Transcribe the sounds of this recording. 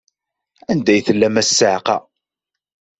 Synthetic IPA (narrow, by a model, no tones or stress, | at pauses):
ænd̪æjθəlːæmæsːəʕqɑ̰